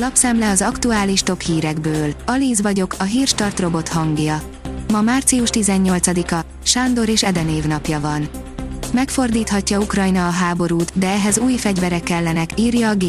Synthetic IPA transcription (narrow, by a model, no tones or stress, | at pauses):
lɒpsɛmlɛɒzɒkt̪uaːliʃt̪o̞phiːɾɛɡbøːlɒliːzvɒɟo̞kʰɒɦiːrʃt̪ɒrt̪ro̞bo̞t̪hɒŋɡjɒ | mɒmaːrt̪siuʃt̪izɛɲːo̞lt̪sɒd̪ikɒ | ʃaːnd̪o̞ɾeːʃɛd̪ɛneːvnɒpjɒvɒn | mɛkfo̞rd̪iːt̪hɒcːɒukrɒjnɒːɦaːbo̞ɾuːt̪d̪ɛɛɦɛzuːjfɛɟvɛɾɛkːɛlːɛnɛkiːrjɒːɡeː